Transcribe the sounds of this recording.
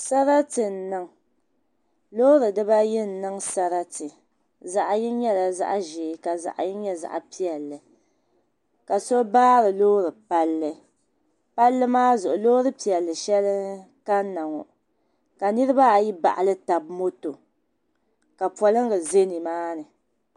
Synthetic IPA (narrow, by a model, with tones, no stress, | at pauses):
sa˦ɾa˦tɨ˨n̩˨nɨ˦ŋ | loː˦ɾɨ˨dɨ˦ba˦jɛ˦n̩˦nɨ˦ŋsa˦ɾa˦tɨ˨ | za˨ʔji˦ɲɛ˦la˨za̰˦ʔʒeː˨˦ka˨za̰˨ʔji˦ɲɛ˦za̰˨ʔpi˦ɛ˨lːɨ˨ | ka˨so˦baː˦ɾɨ˨loː˦ɾɨ˨pa˦lːɨ˦ | pa˦lːɨ˦maː˦zʊ˨ʔʊ˨loː˦ɾɨ˦pi˨ɛ˨lːɨ˨ʃɛ˦lɨ˦ | ka˦nːa˨ŋɔ̰˨ | ka˨nɨ˦ɾɨ˦ba˦˨ji˦ba̰˨ʔa˨lɨ˦ta˨bmo˦to˨ | ka˨pɔ˨lɨ˦ŋɡɨ˨ze˦ni˨maː˦nɨ˨